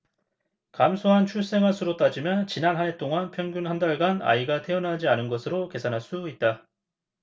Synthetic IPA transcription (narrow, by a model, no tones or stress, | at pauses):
kamsʰoɦant͡ɕʰuɭs͈e̞ŋasʰɯɾot͈ad͡ʑimjʌnt͡ɕinanɦane̞t͈oŋanpʰjʌŋɡjunɦandaɭɡana̰iɡatʰe̞ʌnɦad͡ʑianɯnɡʌsʰɯɾoke̞sʰanɦaɭs͈uit̚t͈a